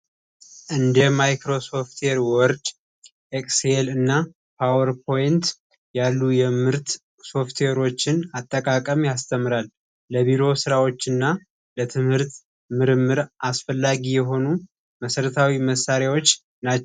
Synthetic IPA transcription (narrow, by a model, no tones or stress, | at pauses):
ʔɨnd̪əmajkɾo̞so̞ft̪ʰweɾwɔɔɾd̪ | ʔekʼselɨnːa | pʰawəɾpʰo̞jɪnt̪ | jalːujɛmɨɾt̪ | so̞ft̪ʰweɾo̞t͡ʃːɪnat̪ʼːəkʼakʼəmjast̪ʰəmːɨɾalː | əβiɾo̞sɨɾawo̞t͡ʃːɨnːa | lət̪ʰɨmhɨɾt̪ | mɨɾɨmːɨɾʔasfəlːaɡijɛɦo̞nu | məsəɾət̪ʰawiməsːaɾjawo̞t͡ʃː | nat͡ʃː